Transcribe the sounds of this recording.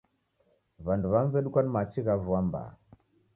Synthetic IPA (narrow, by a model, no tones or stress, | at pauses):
βanduβaɱvɛɗukanmat͡ʃiɣavuamba̰